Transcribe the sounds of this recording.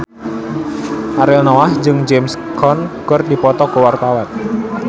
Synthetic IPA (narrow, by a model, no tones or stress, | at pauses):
ʔaɾɛlnɔwahd͡ʒɨŋd͡ʒɛmskʰɔnkərdipɔt̪ɔkuwart̪awan